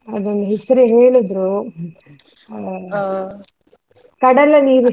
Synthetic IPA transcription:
ɐd̪ɐnɦesɐɾeɦeːɭud̪ɾu | kɐɽɐlːɐniːɾu

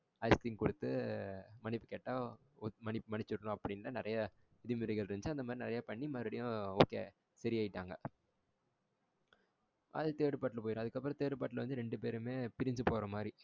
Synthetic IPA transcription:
ɐɪst̪ɪŋkʊɽɯt̪ːɯmɐnɪpːɯ̥kɛʈːaː | mɐnɪpːmɐnɪt͡ʃːɯɾɐnʊ̃ɐpːɐɽɪnːɾɐnɪɾɐja | ɪðɪmɪɾɛɣɐɭɾɯɲd͡ʒɯɐnd̪ɐmaːd̪ɾinɪɾɐjaːpɐɳːimaːɾɪɽɪjʊ̃oːkːḛː | sɐɾɪaːjɪʈːaːŋɡɐ̰ | ʔɐ̰ðɯt̪eːɽɯpaːʈːlɐp̬oːjɪɾʊ̃ɐðɯkːɐpːɯɾɔ̃t̪eːɽɯpaːʈːlɐʋɐnd̪ɯɾɛɳɖɯp̬eːɾɯmeːpɪɾɪɲd͡ʒɯpoːɾɐmaːd̪ɾi

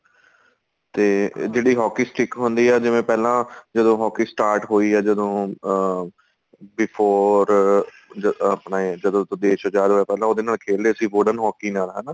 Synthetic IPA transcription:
t̪eːd͡ʒeːɽiːɦɔːkiːsʈɪkɦʊnd̪iːɛːd͡ʒɪʋẽːpɛːlãːd͡ʒəd̪õːɦɔːkiːsʈaːɾʈɦoːiːɛːd͡ʒəd̪õː | bɪpʰoːɾ | d͡ʒəəpnaːd͡ʒəd̪õːt̪ːd̪eːʃəd͡ʒaːd̪ɦoːɛːpɛːlãːoːd̪eːnaːlkʰeːld̪eːəsĩːʋoːɖənɦɔːkiːnaːlɦɛːnaː

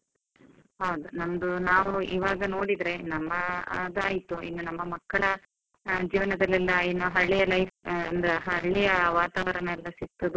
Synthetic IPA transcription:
ɦɐwd̪unɐmɐd̪unaːʋuiːʋaːɡɐno̞ːɽid̪ɾe̞nɐmːɐd̪aːjit̪uʔḭnːunɐmːɐmɐkːɐɭɐ | d͡ʒiːʋɐnɐd̪ɐlːɛlːɐinːuɦɐɭːijɐlɐjfɐnd̪ɾeɦɐɭːijɐʋaːt̪aːʋɐɾɐɳɐɛlːɐsik̚t̪ːɐd̪u

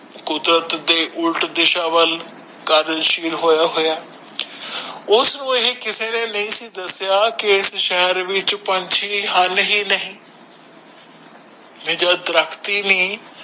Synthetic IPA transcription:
kʊd̪ɾət̪d̪eːʔʊlʈd̪ɪʃaːʋəl | kəɾʃiːlɦoːjaːɦoːjaː | ʊsnũːɪɦekɪseːneːnəĩːsiːd̪əsɪjaːkɪɪsʃɛːɛɾʋɪt͡ʃpəɲt͡ʃʰiːɦənɦiːnəɦĩː | mẽːd͡ʒaːd̪ɾəkʰt̪iːniː

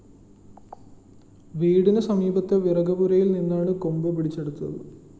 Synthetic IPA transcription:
ʋiːɽinɨsɐmiːbɐt̪ːeʋirɐɡɐbuɾɐjilninːaːɳɨkombɨpiɽit͡ɕːeɽut̪ːunɐ̰ðɨ

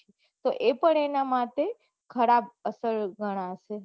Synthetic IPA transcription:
e | t̪oʔepəɳ̃enamat̪e | kʰəɾabəsəɾɡʱəɽ̃aəʃe

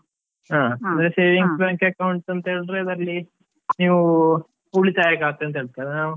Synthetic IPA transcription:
ɦaːɐnd̪ɾese̞ːʋiŋɡsbjaːŋkɐkɐwuɳʈɐnt̪eːɭɾeid̪ɐɐlːi | niːʋu | uɭit̪aːjekaːɡt̪ːeɐnt̪ɐɦeːɭt̪ajdenaːu

